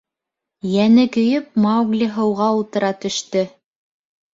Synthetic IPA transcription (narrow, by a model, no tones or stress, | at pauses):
jænɘkɵ̆jɵp̚mɑwɡlʲiɦɤ̆wʁɑulˠt̪ɤ̆ɾɑt̪ɵ̆ʃt̪ɵ